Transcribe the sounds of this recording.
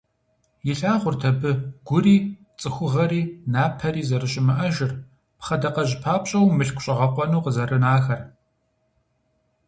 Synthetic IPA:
jɪɬaːʁʷʊrtʰɐbɨɡ̥ʷʊriː | t͡sʼɨxʷʊʁɐɾiːnaːpʰɐriːzɐrɨɕʼɪmɨʔɐʒɪr | pχɐdɐqɐʑpʰaːpɕʼɐwmɨɬkʷʊɕʼɐʁɐqʷʼɔnuːqəzɐrɨnaːxɐr

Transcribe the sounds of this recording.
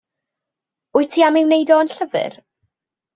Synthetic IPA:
ʊɨtʰiːamɪwnejdɔənɬəvɨ̰r

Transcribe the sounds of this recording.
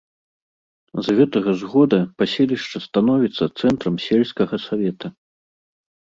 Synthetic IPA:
zɣɛt̪ɐɣɐzɣɔd̪ɐpasʲɛlʲiʂt͡ʂɐst̪anɔvʲit̪sːɐt̪sɛnt̪ɾɐmsʲɛlʲskɐɣɐsavʲɛt̪ɐ

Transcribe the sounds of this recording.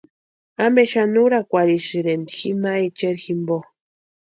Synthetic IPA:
ambeʃanuɾakʷaɾiʃɨɾend̪iximait͡ʃeɾximbo

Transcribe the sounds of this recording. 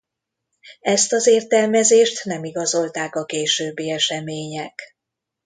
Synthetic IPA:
ɛst̪ɒzeːrt̪ɛlmɛzeːʃt̪nɛmiɡɒzo̞lt̪aːkɒkeːʃøːbːiːɛʃɛmeːɲɛk

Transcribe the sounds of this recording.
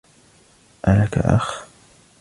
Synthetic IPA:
ʔalaka̰ʔa̰x

